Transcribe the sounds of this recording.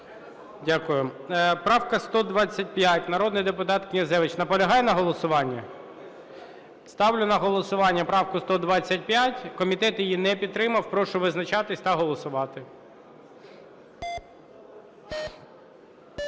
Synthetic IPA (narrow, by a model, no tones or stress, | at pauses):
dʲakʊjʊpɾɑwkɐst̪ɔd̪ʋɑt͡sʲːɐt̚ʲpjatʲnɐɾɔd̪nɪjd̪epʊt̪ɑt̪knʲɐzɛʋɪt͡ʃnɐpɔlʲɐɦɑjɛnɐɦɔlˠɔsʊʋɑnʲːɐ | st̪ɑwlʲʊnɐɦɔlˠɔsʊʋɑnʲːɐpɾɑwkʊst̪ɔd̪ʋɑt͡sʲːɐt̚ʲpʲjatʲkɔmʲit̪ɛt̪jijinɛpʲid̪̚t̪ːɾɪmɐwpɾɔʃʊʋɪznɐt͡ʃɑt̪ɪsʲt̪ɐɦɔlˠɔsʊʋɑt̪ɪ